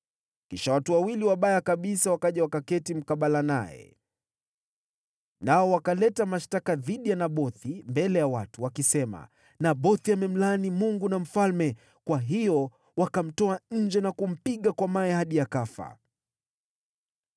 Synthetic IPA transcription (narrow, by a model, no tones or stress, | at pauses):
kiʃawatuwawiliwaɓajakaɓisawakaʄawakakɛtim̩kaɓalana̰ɛ̰ | naɔwakalɛtamaʃtakaðiɗijanaɓɔθimbɛlɛjawatuwakisɛma̰ | naɓɔθiamɛm̩lanimuŋɡunam̩falmɛ | kwaɦijɔ | wakam̩tɔaɲ̩d͡ʒɛnakum̩piɠakwamaɛhaɗijakafa̰